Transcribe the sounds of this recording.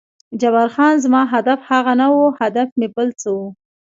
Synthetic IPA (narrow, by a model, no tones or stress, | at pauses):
d͡ʒabaɾxɑnzmɑɦad̪afhaɣanawuhad̪afmebəlt͡səwu